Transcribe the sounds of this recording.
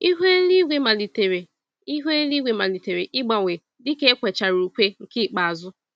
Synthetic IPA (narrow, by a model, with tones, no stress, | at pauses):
i˦ɦe˦li˦ɡʷe˦ma˨li˨te˨ɾe˨ | i˦ɦe˦li˦ɡʷe˨ma˨li˨te˨ɾe˨ʔɪ˦ɡ͡ba˨ŋʷe˨ | dɪ˦ke˦kʷe˨t͡ʃa˨ɾu˨kʷe˦ŋ̩˨ki˦˨k͡pa˨a˨zʊ˦